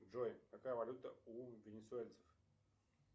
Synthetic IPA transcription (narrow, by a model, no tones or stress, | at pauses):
ʐojkakajəvɐlʲut̪əuvʲɪnʲɪsʊelʲt̪sə̥f